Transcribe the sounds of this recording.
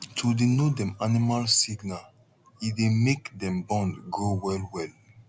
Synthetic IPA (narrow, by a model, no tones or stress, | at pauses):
tʰudenodɛ̃manimalsiɡnal | idemekdɛ̃mbɔ̃ndɡowɛlwɛl